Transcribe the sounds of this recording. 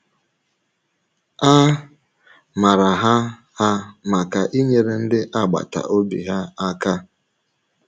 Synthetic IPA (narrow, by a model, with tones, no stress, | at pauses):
a˦ | ma˨ɾa˨ɦa˦ | ha˦ma˨ka˨ʔi˦ɲe˨ɾe˨n̩˦dɪ˦ʔa˦˨ɡ͡ba̰˨ta̰˨ʔo˦bḭ˨ɦa˦a˦ka˦